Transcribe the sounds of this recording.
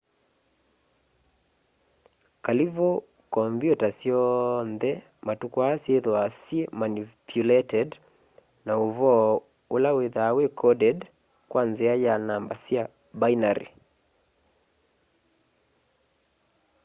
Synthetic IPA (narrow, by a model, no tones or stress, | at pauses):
kalivo | kɔmbjutasjɔnðɛ | matukwɔasieðɔasiemanipʰjulɛtɛd | naovɔ | olaweðawekʰɔdɛd | kwʔanzeajanambasia | bajnaɾḭ